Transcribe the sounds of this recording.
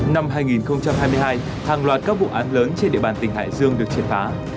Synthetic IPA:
na˧mɦaː˧jŋi˨˩nxə˧wŋ͡mt͡ɕa˧mhɦaː˧jmɨ˧əjɦaː˧j | haː˨˩ŋlwaː˨˩t̚kaː˦˥k̚ṵ˧˨ʔaː˨˦nləː˨˦nt͡ɕe˧nɗḭ˧əɓaː˨˩nt̪ï˨˩ŋ̟ɦa̰ː˧˨jzɨ˧əŋɗɨ˨˩ək̚t͡ɕi˨˩t̚faː˨˦

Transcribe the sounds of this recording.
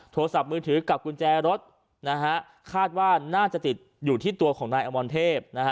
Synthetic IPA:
t̪ʰoː˧sa˨˩p̚mɯː˧t̪ʰɯː˩˦ka˨˩p̚kʰu˧nt͡ɕɛː˧ɾo˦˥t̪̚ | na˦˥kʰa˦˥ | kʰaː˥˩t̪̚waː˥˩naː˥˩t͡ɕa˨˩t̪i˨˩t̪̚juː˨˩t̪ʰiː˥˩t̪u˧ɐkʰɔː˩˦ŋnaː˧jʔaː˧mbɔː˧nt̪ʰeː˥˩p̚na˦˥ka˦˥

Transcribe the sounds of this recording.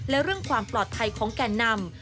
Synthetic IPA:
lɛ˦˥ɾɯ˥˩əŋkʰwaː˧mplɔː˨˩t̪̚pʰa˧jkʰɔː˩˦ŋkɛː˧˩nːa˧m

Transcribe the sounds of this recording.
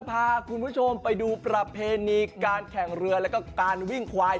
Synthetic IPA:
pʰaː˧kʰu˧npʰu˦˥˩t͡ɕʰo˧mpa˧jduː˧pɾa˨˧pʰeː˧niː˧kaː˧nkʰɛ˨˩ŋɾɯ˧ɐlɛ˦˥kɔː˥˩kaː˧nwi˥˩ŋkʰwaː˧j

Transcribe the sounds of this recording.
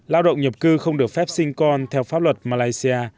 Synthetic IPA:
laː˧wɗə̰˧˨wŋ͡mɲə˨˩p̚kɨ˧xə˧wŋ͡mɗɨ˨˩ək̚fɛ˦˥p̚sï˧ŋ̟kɔ˧nt̪ʰɛ˧wfaː˦˥lwə˨˩t̚maː˧laː˧jsi˧aː˧

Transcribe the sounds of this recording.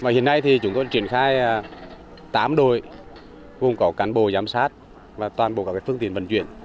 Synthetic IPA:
vaː˨˩hḭ˧˨ənːa˧jt̪ʰi˨˩t͡ɕʊ˨˦ŋ͡mk̪ɔ˧t͡ɕwi˧˨ənxaː˧j | t̪aː˨˦mɗo˧˩˨j | vo˧˩ŋ͡mkɔ˨˦kaː˨˦nɓo˧˨zaː˨˦msaː˦˥t̚ | vaː˨˩t̪waː˨˩nɓo̰˨˧˨kaː˦˩kːaː˨˦fɨ˧ŋt̪i˧˨ənvə˧˩nt͡ɕwi˧˨ən

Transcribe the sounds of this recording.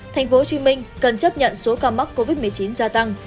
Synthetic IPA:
t̪ʰa˨˩jŋ̟fo˨˦t͡ɕi˨˦ŋmï˧ŋ̟kə˨˩nt͡ɕə˦˥p̚ɲə̰˧˨nso˨˦kaː˧ma˦˥k̚ko˧vi˦˥t̚m˨˩əjt͡ɕi˨˦nzaː˧t̪a˧ŋ

